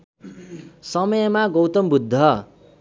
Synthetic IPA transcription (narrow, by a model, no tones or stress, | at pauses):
sʌmʌjʌmaɡowt̪ʌmbud̪ʱːʌ